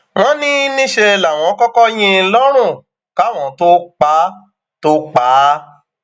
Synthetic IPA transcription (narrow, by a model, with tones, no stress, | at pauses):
w̃ɔ̃˦nĩ˦nĩ˦ʃe˧la˨w̃ɔ̃˨˦kɔ˦kɔ˦j̃ĩ˧lɔ˦ɾ̃ũ˦˨ | ka˦˨w̃ɔ̃˨to˦k͡pa˨˦ | to˦k͡pa˨˦